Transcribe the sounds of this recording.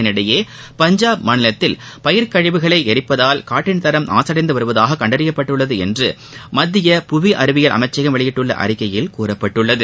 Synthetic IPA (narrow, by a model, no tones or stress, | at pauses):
ɪnɪɽɐjeː | pɐɲd͡ʒaːb̚manɪlɐt̪ːɪlpɐjɪɾkɐɻɪʋɯɣɐɭɐɪɛɾɪpːɐðaːlkaːʈːɪnt̪ɐɾɐmna̰ːsɐɽɐɪnd̪ɯʋɐɾɯʋɐðaːɣɐkːɐɳɖɐɾɪjɐpːɐʈːɯɭːɐðɯɛndrɯ | mɐd̪ːɪjɐpʊʋiʔɐɾɯʋɪjɐlʔɐ̰mɐɪt͡ʃːɐɣɐmʋɐɭɪjɪʈːɯɭːɐ̰ʔɐ̰ɾɪkːɐjɪlkuːrɐpːɐʈːɯɭːɐðɯ